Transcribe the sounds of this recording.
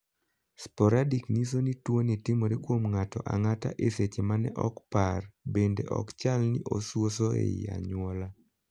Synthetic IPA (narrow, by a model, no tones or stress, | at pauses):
spɔɾadiknis̬onitwonitɪmoɾekwomŋatɔʔa̰ŋata̰ʔeset͡ʃemanɛʔɔkparbendḛʔɔ̰kt͡ʃalnḭʔoswos̬oḛa̰ɲwɔla